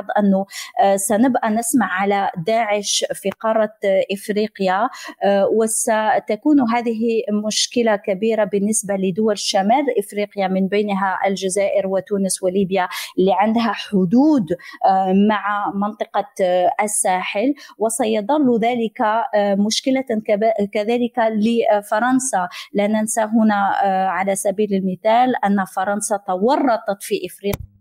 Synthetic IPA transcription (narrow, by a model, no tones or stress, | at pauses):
d̪ˤʔanːʊsænɪbʔænɪsmaʕːalad̪aːʕɪʃfiqɑrˤːɑʔɪfɾiːqja | wɪsat̪akuːnɦæːd̪ɪɦimʊʃkɪlakabiːɾabənːɪsbaləd̪ʊwælʃːamæːlʔɪfɾiːqjamɪnbæjnɦaʔælʒazaːʔɪɾwɪt̪uːnəswɪliːbjalːiʕand̪ɦaħʊd̪uːd̪ | maʕamɑnt̪ˤɨqɑʔæsːaːħəlwɪsɑjɑd̪ˤɑlːðæːlɪkamʊʃkəlakæðæːlɪkləfɑɾˤɑnsalʔænːænsaɦʊnaʕalæsæbiːləlmɪθæːlʔænːfɑɾˤɑnsɑt̪ɑwɑrˤːɑt̪ˤɑt̪fiʔəfɾiːq